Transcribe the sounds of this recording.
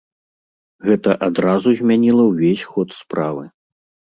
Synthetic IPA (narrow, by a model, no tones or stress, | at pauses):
ɣɛt̪ɐʔad̪ɾazuzʲmʲanʲilˠɐwvʲesʲxɔt̪spɾavɨ